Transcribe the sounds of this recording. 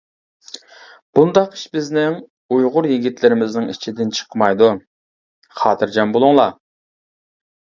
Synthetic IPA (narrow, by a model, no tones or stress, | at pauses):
b̥und̪ɑqi̥ʃbɪznɪŋ | ujʁʊɾjiɡʲit̪lɪɾɪmɪznɪŋit͡ʃʰid̪ɪnt͡ʃʰə̥qʰmɑjd̪u | χɑːt̪ʰɨɾd͡ʒɑmbolˠuŋlˠɑ